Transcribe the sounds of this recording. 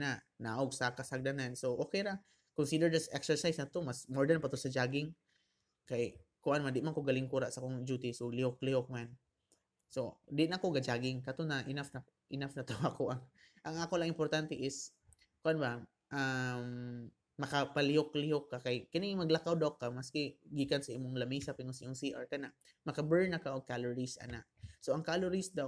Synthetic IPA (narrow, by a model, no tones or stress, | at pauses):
na | naːʔoɡsakasaɡ̚d̪anansoʔokejɾa | kʊnsid̪ɛɹd̪asʔɛksɛɹsajsnat̪omasmoɹd̪anpat̪ʊosad͡ʒaːɡɪŋ | kajkʊʔanmand̪ɪʔmankoɡalɪŋkuɾaʔsakoŋd͡ʒuːt̪ɪsolɪhok̚lɪhok̚man | sod̪ɪʔnakoɡad͡ʒaɡɪŋkat̪onaʔɪnafna | ʔɪnafnat̪oakoʔaŋ | ʔaŋʔakolaŋɪmpoɾt̪ant̪ɛʔɪs | kʊʔanba | ʔamː | ɐkapalɪhoklɪhokːakajkanɪmɐɡlakawd̪awkamaskɪɡiːkansɐʔiːmʊŋlɐmiːsapɪŋosioŋsiʔaɹkanaʔ | mɐkabɛɹnakaʔoɡ̚kaloɹisʔa̰na̰ʔsoʔɐŋkaloɾisd̪aw